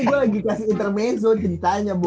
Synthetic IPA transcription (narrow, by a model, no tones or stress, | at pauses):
ɡualaɡikasiːnt̪ərmɛzʊt͡ʃəɾit̪aɲabu